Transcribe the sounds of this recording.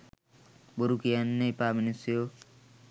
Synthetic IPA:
boɾukijanːepaminisjo

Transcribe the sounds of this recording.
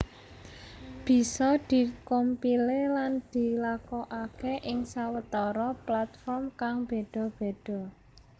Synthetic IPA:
b̥i̤sɔd̪̥i̤kompileland̪̥i̤lakɔʔakeʔɪŋsawət̪ɔɾɔplat̪fɔrmkaŋb̥e̤ɖ̪̥ɔ̤b̥e̤d̪̥ɔ̤

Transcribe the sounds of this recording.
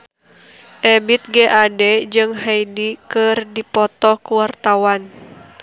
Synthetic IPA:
ʔɛbit̪̚ɡɛʔadɛd͡ʒɨŋɦajdikɨrdipɔt̪ɔkuwart̪awan

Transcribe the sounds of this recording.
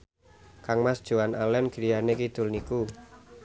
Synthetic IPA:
kaŋmasd̥ʒ̥o̤analɛnɡ̥iɾijanekit̪ʊlniku

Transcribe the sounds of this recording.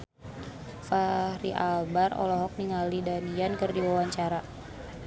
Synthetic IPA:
faɾiʔalbarɔ̰lɔɦɔk̚niŋalidaniankərdiwawaɲt͡ʃaɾa

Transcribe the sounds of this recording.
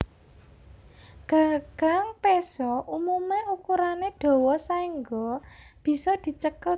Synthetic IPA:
ɡ̥aɡ̥a̤ŋpesɔʔumumeukuɾaneɖ̪̥ɔ̤wɔsaiŋɡɔb̥i̤sɔd̪̥i̤t͡ʃəkə

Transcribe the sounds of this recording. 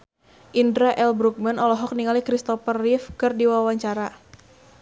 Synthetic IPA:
ʔindɾaʔɛlbɾuk̚manɔlɔɦɔk̚niŋalikɾist̪ɔfərːifkɨrdiwawaɲt͡ʃaɾa

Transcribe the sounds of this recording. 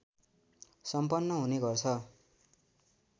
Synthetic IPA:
sʌmpʌnːʌɦuneɡʌrt͡sʰʌ

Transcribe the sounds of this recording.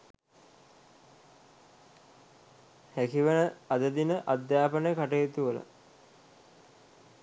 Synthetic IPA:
hækiʋənəad̪əd̪inəʔad̪jaːpənəjəkaʈeːt̪uʋələ̰

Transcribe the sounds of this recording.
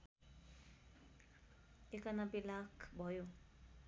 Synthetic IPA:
ikanapilakbɔju

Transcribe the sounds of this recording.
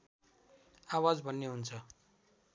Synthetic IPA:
awad͡zbʱʌnːeɦunt͡sʰʌ

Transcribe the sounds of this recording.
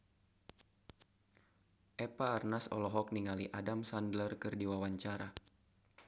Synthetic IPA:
ʔɛpaːrnasɔ̰lɔɦɔk̚niŋaliʔadamsandlərkɨrdiwawaɲt͡ʃaɾa

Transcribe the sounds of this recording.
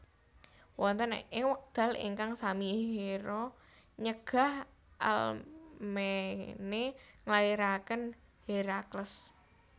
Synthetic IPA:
wɔnt̪ənḛʔewək̚d̪̥a̤lḭŋkaŋsamiɦeɾɔ | ɲəɡ̥a̤h | ʔa̰lmeneŋlaiɾakən | heɾakləs

